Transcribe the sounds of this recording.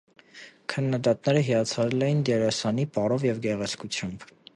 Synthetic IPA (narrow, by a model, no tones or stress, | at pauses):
kʰənːɑd̪ɑt̪̚nɛɾəɦijɑt͡sʰɑɾɛlɛjind̪jɛɾɑsɑnipɑɾɔvjɛvɡɛʁɛt͡sʰkut͡sʰjɑmb